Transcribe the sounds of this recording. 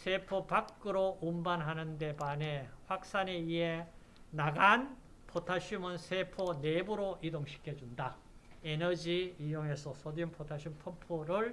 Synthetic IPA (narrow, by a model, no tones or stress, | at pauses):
sʰepʰopakk͈ɯɾoumbanɦanɯnde̞baneɸwak̚s͈ane̞ie | naɡan | pʰotʰaɕʰumɯnsʰepʰonebuɾoʔidoŋɕʰi̥kʰjʌd͡ʑunda | enʌd͡ʑiijoŋe̞sʰʌsʰʌdinpʰotʰaɕʰumpʰopʰoɾɯɭ